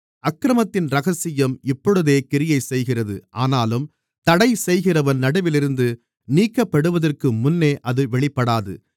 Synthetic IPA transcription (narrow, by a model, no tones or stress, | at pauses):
ʔɐkɾɐmɐt̪ːɪnɾɐɣɐsɪjɐmɪpːɔɽɯðeːkɪɾɪjɐɪsɛjɣɪrɐðɯ̰ʔaːnaːlɯm | t̪ɐɽɐɪsɛjɣɪrɐʋɐnnɐɽɐʋɪlɪɾɯnd̪ɯ | niːkːɐpːɐɽɯʋɐðɐrkɯmʊnːeːʔɐðɯʋɛɭɪpːɐɽaːðɯ̰